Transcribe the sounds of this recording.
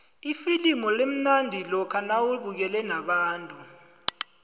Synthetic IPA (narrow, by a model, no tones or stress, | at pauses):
ifilimɔlem̩nandʱilɔkʰanawuɓuk̬ɛlɛnaɓaːntʼu